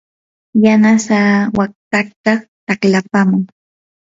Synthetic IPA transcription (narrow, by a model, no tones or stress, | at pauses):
janasawak̚t̪akt̪at̪aklapamʊŋ